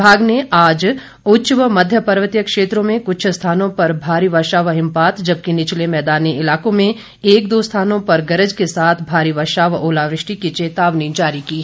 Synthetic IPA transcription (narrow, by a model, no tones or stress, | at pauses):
bʱaːɡneaːd͡ʒ | ʊt͡ʃʋəmɐd̪ʱjəpɐɾʋət̪ijəkʃeːt̪ɾõmẽkʊt͡ʃʰst̪ʰaːnõpɐɾbʱaːɾiʋəɾʃaːʋɦɪ̃mpaːt̪d͡ʒɐb̚kinɪt͡ʃlemɛːd̪aːniɪlaːkõmẽ | eːkd̪oːst̪ʰaːnõpɐɾɡɐɾəd͡ʒkesaːt̪ʰbʱaːɾiʋəɾʃaːʋoːlaːʋɾɪʃʈikit͡ʃeːt̪aːʋnid͡ʒaːɾikiː